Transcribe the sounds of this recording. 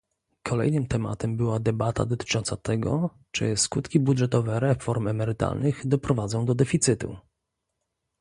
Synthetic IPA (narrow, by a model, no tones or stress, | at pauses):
kʰɔlɛ̰jnɘmt̪ɛma̰t̪ɛmbɘwad̪ɛbat̪a̰d̪ɔt̪ɘ̥t͡ʂɔnt̪sat̪ɛɡɔ̰ | t͡ʂɘ̰skut̪kʲibud̪ʐɛt̪ɔvɛɾɛfɔɾmɛmɛɾɘt̪a̰lnɘɣd̪ɔpɾɔvad̪zɔ̃w̃d̪ɔd̪ɛfʲit̪sɘt̪ṵ